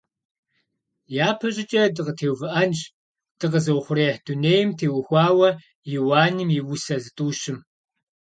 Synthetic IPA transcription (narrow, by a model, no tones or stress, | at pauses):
jaːpʰɐʑʼɪt͡ʃʼɐdɨqətʰeːwvɨʔɐnt͡ʃ | d̥ɨqəzɐwχʷʊɾeːħd̥uneːjɪmtʰeːwxʷɑːwɐ | jiwaːnɨmiwʊsɐzɨtʼuːɕɪm